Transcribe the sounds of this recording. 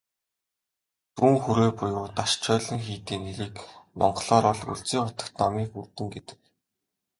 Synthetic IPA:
puŋxuɾeːpʊjʊːt̪aʃt͡ɕʰœːɮə̆ŋxiːt̪eːneɾiːkmɔ̰ɴɢɮɔːɾɔɮṵɮt͡siːŋχʊt̪ə̥̆kt̪nɔmiːxurt̪ɘ̆ŋɡet̪ɘ̥̆k

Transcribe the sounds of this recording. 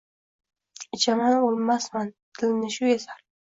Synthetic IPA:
ɪt͡ʃʰamanolˠmasmant̪ʰɪlɪmnɪʃʊjasaɾ

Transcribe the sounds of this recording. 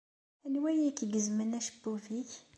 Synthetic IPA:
ænwæjikɡəzmənæʃə̥bːuviç

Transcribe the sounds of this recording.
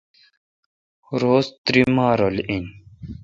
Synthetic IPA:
ɾoːst̪ɾimaːɾolin

